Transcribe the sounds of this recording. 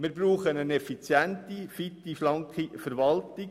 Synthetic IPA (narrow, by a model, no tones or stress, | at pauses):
mɪɾbɾuːχənənɛfit͡sjænt̪ifit̪ːiflɑŋkifəɾʋɑltɪ